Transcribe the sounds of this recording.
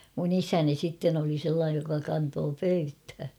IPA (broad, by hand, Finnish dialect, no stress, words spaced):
mun isæni sitːen oli selːɑːj jokɑ kɑntoː pøythæ